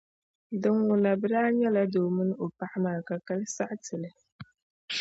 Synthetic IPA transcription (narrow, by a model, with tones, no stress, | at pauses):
dɨ˨ŋwʊ˨la˨bɨ˦ɾaː˦ɲɛ˦la˦doː˨mɨ˦n˦o˨pa˦ʔa˦maː˨ka˨ka˦lɨ˦sa˦ʔtɨ˨lɨ˦